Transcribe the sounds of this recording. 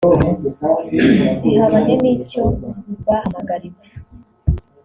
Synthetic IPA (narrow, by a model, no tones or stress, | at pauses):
tihaβanemicoubahamaɡaɾima